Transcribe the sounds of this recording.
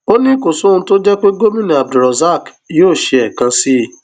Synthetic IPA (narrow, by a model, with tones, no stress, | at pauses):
o˦nĩ˦ko˨su˨˦nũ˧to˦d͡ʒɛ˦k͡pe˦ɡo˦mĩ˦˨nĩ˨a˨b̚du˨ɾɔ˨za˦˨k | joː˦˨ʃe˧ɛ˨kã˧si˦